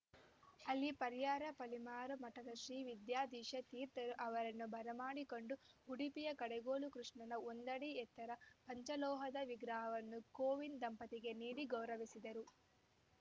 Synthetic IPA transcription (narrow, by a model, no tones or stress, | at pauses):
ɐlːipɐɾijaːɾɐpɐlimaːɾumɐʈɐd̪ɐʃɾiːʋid̪jaːd̪iːʂɐt̪iːɾt̪ɐɾuʔɐʋɐɾɐnːubʱɐɾɐmaːɽiko̞ɳɖuuɽipijɐkɐɽeɡoːlukɾuʂɳɐnɐond̪ɐɽiɛt̪ːɐɾɐpɐɲt͡ʃɐlɔːɦɐd̪ɐʋiɡɾɐɦɐʋɐnːukoːʋind̪ɐmpɐt̪iɡe̞niːɽiɡɐwɾɐʋisid̪ɐɾu